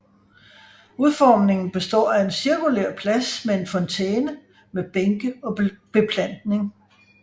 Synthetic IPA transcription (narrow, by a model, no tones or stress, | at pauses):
uðˠfɒːmne̝ŋn̩b̥e̝sd̥ɒ̰ːæe̝nsiɐkuleɐ̰pʰlæsmee̝nfɒ̽nt͡sʰeːnə | meb̥eŋɡ̥əɒ̽b̥e̝pʰlæn̰d̥ne̝ŋ